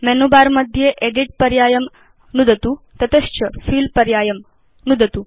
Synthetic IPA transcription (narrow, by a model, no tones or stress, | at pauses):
mɛnubaɾməd̪ʱːjeʔeɖiʈ̚pəɾjajəm | nud̪ət̪u | t̪ɐt̪əɕt͡ɕəfiːlpəɾjajəm | nud̪ət̪u